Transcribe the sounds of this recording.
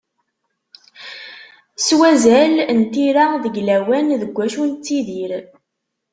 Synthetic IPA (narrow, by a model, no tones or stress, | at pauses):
swæzælnt̪iɾaðəɡlæwænðəɡʷːæʃunt͡sːiðiɾ